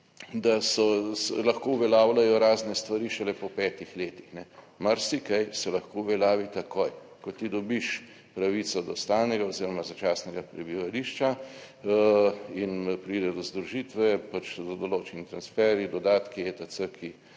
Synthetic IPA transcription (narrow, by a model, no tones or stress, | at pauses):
d̪asɔslaxkouʋɛlaːwlajɔɾaːznɛst̪ʋaɾiʃɛlɛpɔpɛːt̪ixleːt̪ixnɛ | maɾsikajsɛlaxkoːʋɛlaːʋit̪akoj | kɔt̪id̪ɔbiʃ | pɾaʋit̪sɔd̪ɔst̪aːwnɛɡaoziɾɔmazat͡ʃasnɛɡapɾɛbiʋaliːʃt͡ʃa | inpɾiːd̪ɛd̪ɔzd̪ɾuʒit̪ʋɛpat͡ʃd̪ɔd̪ɔloːt͡ʃɛnit̪ɾansfɛɾid̪ɔd̪aːt̪kiet̪at̪səkʰi